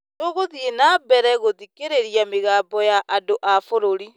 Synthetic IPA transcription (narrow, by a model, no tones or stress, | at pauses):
noɣoðjenabɛɾɛɣoðikeɾeɾjameɣaːmbɔjaʔadoʔafoɾoɾi